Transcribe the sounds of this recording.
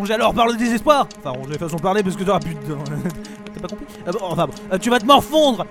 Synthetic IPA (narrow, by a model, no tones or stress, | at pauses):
ɔ̃ʒealɔʁpaʁləd̪ezɛspwaːʁɑ̃fɛ̃ʁɔ̃ʒed̪eəfasɔ̃əpaʁlep̬asə̥kət̪yɔʁapyd̪ɔ̃ | t̪apakɔ̃pχi | øbɔ̃ɑ̃fɛ̃bɔ̃øt̪yvat̪əmɔʁfɔ̃d̪ʁə